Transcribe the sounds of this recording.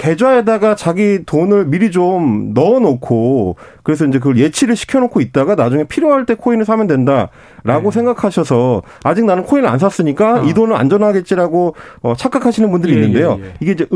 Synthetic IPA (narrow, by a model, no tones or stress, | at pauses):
ke̞d͡ʑwaedaɡat͡ɕaɡitonɯɭmiɾid͡ʑomnʌnokʰokɯɾe̞s̬ʰʌind͡ʑek̬ɯɡʌɭje̞t͡ɕʰiɾɯɭɕʰi̥kʰjʌnokʰoit̚t͈aɡanad͡ʑuŋe̞pʰiɾjoɦaɭt͈e̞kʰoinɯɭsʰamjʌndwe̞nda | ɾaɡos̬ʰeŋɡakʰaɕʰʌsʰʌ | ad͡ʑik̚nanɯnkʰoinɯa̰ns̬ʰas͈ɯɲik͈aidonɯɭa̰nd͡ʑʌnɦaɡe̞t̚t͡ɕ͈iɾaɡoʌt͡ɕʰak͈akʰaɕʰinɯnbundɯɾiːnːɯnde̞joiɡe̞ind͡ʑe